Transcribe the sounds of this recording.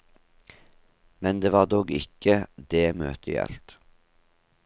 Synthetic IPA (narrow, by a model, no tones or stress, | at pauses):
mɛnd̪eːʋɑːd̪oːɡɪ̰kːəd̪eːmø̰ːt̪ʰəjɛ̰lt̪